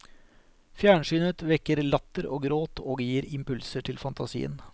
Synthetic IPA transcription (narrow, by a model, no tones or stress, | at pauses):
fjæːɳʂyːnət̪ʋɛkːəɾlɑt̪ːəɾoːɡɾoːt̪ʰoːɡjiːɾɪmpʉlsəʈʰɪlfɑnt̪ɑsḭːə̰n